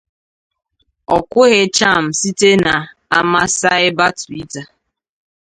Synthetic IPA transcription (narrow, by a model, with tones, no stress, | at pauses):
ɔ˨kʷʊ˦ɣɪ˦t͡ʃa˦˨m̩˨si˦te˦na˨ | a˦ma˦sa˦ɪ˦ba˦ti˦ta˨